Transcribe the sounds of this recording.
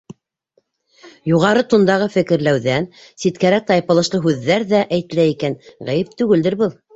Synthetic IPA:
juʁɑɾɤt̪ŭnd̪ɑʁɤfɘ̆kɘ̆ɾlæwðæn | sit̪kæɾæk̚t̪ɑjpɤ̆lˠɤ̆ʃlˠɤɦʉðːæɾðæʔæjt̪ɘ̆læjikænʁæjɘp̚t̪ʉɡɘld̪ɘɾbɤlˠ

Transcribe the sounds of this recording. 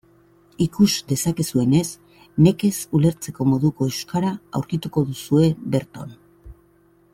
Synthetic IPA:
ikuzd̪e̞sake̞sue̞ne̞s | me̞ke̞sule̞ɾt͡se̞ko̞mo̞ðuko̞e̞wskaɾaa̰wɾkit̪uko̞ðusue̞βe̞ɾt̪o̞n

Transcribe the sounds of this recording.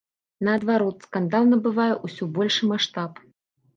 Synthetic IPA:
nɐːd̪vaɾɔt̪skand̪alˠnɐbɨvajɛʔusʲɔbɔlʲʂɨmaʂt̪ap

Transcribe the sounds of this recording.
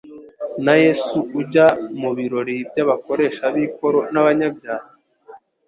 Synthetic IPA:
naje̞suuɟamuβiɾo̞ɾibɟaβako̞ɾe̞ːʃaβiko̞ɾo̞naβaɲabjaːha

